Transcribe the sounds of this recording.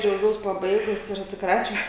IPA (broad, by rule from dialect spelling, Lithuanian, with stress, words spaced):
d͡ʒʲɛʊˈɡʲɛʊs pɐˈbɐɪɡʊs ɪr ɐtʲsʲɪˈkrɑːt͡ʃʲʊs